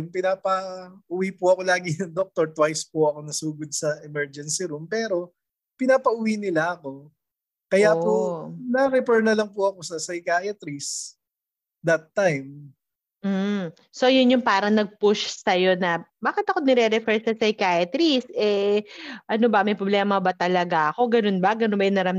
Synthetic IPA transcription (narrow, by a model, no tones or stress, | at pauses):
mpɪnaːpɐʊwipʊɐko̞laːɡɪnɐŋd̪ok̚t̪oɹt̪wajspʊʔɐko̞nɐsuːɡod̪̚sɐʔɛmɛɹd͡ʒɛnsiɾumpɛːɾo̞ | pɪnaːpɐʔʊwinɪlaʔɐko̞ | kɐjaponɐɾɛpɛɹnɐlɐŋpʊɐko̞sɐsɐjkaːjɐt̪ɾis | d̪ɐt̪ːajm | mm̩ | so̞jʊnjʊŋpaːɾɐŋnɐɡ̚pʊʃsɐjo̞nɐbaːkɪt̪ɐko̞nɛɾɛɾɛfɛɹsɐsɐjkajɐt̪ɾisʔɛ | ʔɐnobɐmɐjpɾoblɛːmɐbɐt̪ɐlɐɡaʔɐko̞ɡɐnonbɐɡɐnobɐjʊnɐɾɐm